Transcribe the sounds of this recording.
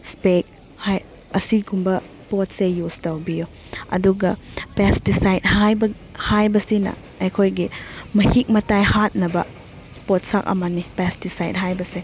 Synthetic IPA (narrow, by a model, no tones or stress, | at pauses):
spek̚ | haj | ɐsiɡumbɐ | pot̚sejustɐwbiju | ɐ̰duɡɐpestisajd̚hajbɐ | hajbɐsinɐ̰ | ejkʰojɡimɐhik̚mɐtajhat̚nɐbɐ | pot̚sak̚ɐ̰mɐnipɛstisajd̚ɦajbɐse